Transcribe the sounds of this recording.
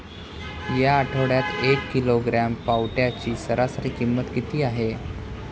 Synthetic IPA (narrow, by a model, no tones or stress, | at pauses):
jaːʈʰəɽjat̪ekːiloɡɾampawʈjat͡ɕiːsəɾasəɾiːkimːət̪kit̪iːaɦe